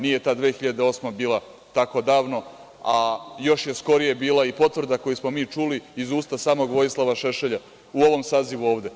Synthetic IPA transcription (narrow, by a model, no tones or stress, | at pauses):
nijet̪aːd̪ʋeːxiʎad̪eo̞ːsmebiːlˠa | t̪ako̞d̪aːʋno̞ | ajo̞ʃje̞sko̞ɾijebiːlaipo̞t̪ʋr̩d̪ako̞jismo̞miːt͡ʂuliːzuːst̪asaːmo̞ɡʋo̞jislˠaʋaʃeʃeʎa | uo̞ʋo̞msaːziʋuo̞ːʋd̪e̞